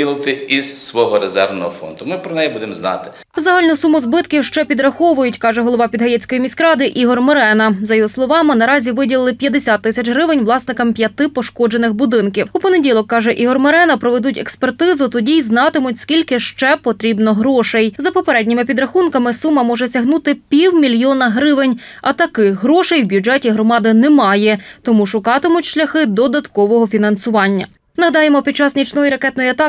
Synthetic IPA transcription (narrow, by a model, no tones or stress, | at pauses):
ilˠɪt̪ɪizsʋɔɦɔɾezɛ̰rʋnɔ̰ɦɔfɔ̰nd̪ʊmɪpɾɔnɛjibud̪emznɑ̰t̪ɪ̥ | zɐɦɑlʲnʊsumʊzbɪt̪kʲiwʃt͡ʃɛpʲid̪ɾɐxɔʋʊjʊtʲkɑʒɛɦɔlˠɔʋɑpʲid̪ɦɐjɛt͡sʲkɔjimʲiskɾɑd̪ɪʔiɦɔrmeɾɛnɐzɐjɔɦɔslˠɔʋɑmɪnɐɾɑzʲiʋɪdʲilˠɪlˠɪpʲjɐd̪esʲat̪ːɪsʲɐt͡ʃɦɾɪʋɪnʲʋlˠɑsnɪkɐmpʲjɐt̪ɪpɔʃkɔd͡ʒenɪxbʊd̪ɪnkʲiwupɔnedʲilˠɔkːɑʒɛʔiɦɔrmɔɾɛnɐpɾɔʋed̪utʲɛ̰kspert̪ɪzʊt̪ɔdʲijznɑt̪ɪmʊtʲskʲilʲkɪʃt͡ʃɛpɔt̪ɾʲibnɔɦɾɔʃejzɐpɔpeɾɛdʲnʲɪmɪpʲid̪ɾɐxunkɐmɪsumːɐmɔʒɛsʲɐɦnut̪ɪpʲiwmʲilʲjɔnɐɦɾɪʋɪnʲ | ɐt̪ɐkɪɦɾɔʃejwbʲjud͡ʒɛtʲiɦɾɔmɑd̪ɪnɛmɑjɛt̪ɔmuʃʊkɑt̪ɪmʊtʲʃlʲɐxɪd̪ɔd̪ɐt̪kɔʋɔɦɔfʲin̪ɐn̪sʊʋɑnʲːɐ̰ | nɐɦɐd̪ɑjemɔpʲid̪̚t͡ʃɑsnʲit͡ʃnɔjiɾɐkɛt̪nɔjiɐt̪ɑ